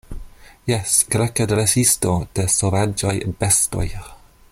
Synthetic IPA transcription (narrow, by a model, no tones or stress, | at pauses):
jɛsɡ̥ɾɛkədɾɛsɪstɔd̪̥əsɔvad͡ʒajʔə̰b̥ɛstɔ̰j